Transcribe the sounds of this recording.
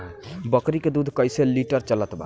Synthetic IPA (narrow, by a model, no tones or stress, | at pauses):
bɔkɾiked̪ud̪ʱkɔjseliʈəɾt͡ʃɔlat̪ba̰